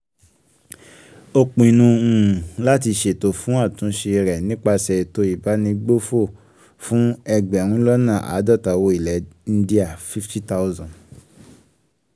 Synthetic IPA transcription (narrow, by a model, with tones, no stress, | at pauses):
o˧k͡pũ˨i˨nũ˧ũ˨la˦ti˧ʃe˨to˨fũ˨˦a˦˨tũ˨˦ʃe˧ɾɛ˨nĩ˦k͡pa˧sɛ˨to˧i˨ba˨˦nĩ˧ɡ͡bo˦fo˦˨ | fũ˨˦ɛ˧ɡ͡bɛ˨ɾ̃ũ˨˦lɔ˦nã˦˨ʔa̰˨˦dɔ˦˨ta˨wo˧˦i˨lɛ˨˦n̩˦di˦a˦˨fi˦fti˦ta˦u˦zɔ̃˨